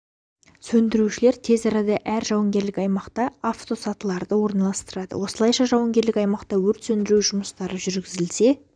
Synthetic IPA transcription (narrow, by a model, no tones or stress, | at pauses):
sɵnd̪ɪɾuʃɪle̞ɾt̪ʰe̞zɑɾɑd̪ɑʔæɾʒɑwɑŋɡʲe̞ɾlɪkɑjmɑqt̪ɑaft̪o̞sɑt̪əlˠɑɾd̪əwo̞ɾnɑlˠɑst̪əɾɑd̪ə̰wo̞səlˠɑjʃɑʒɑwəŋɡʲe̞ɾlɪkɑjmɑqt̪ɑwɵɾt̪sɵnd̪ɪɾuʒʊməst̪ɑɾəʒʏɾɡʲɪzɪlse̞